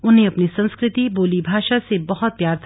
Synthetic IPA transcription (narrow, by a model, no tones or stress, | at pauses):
ʊnɦeɐpnisɐ̃nskɾɪt̪iboːlibʱaːʃasebɐɦʊt̪̚pjaːɾt̪ʰ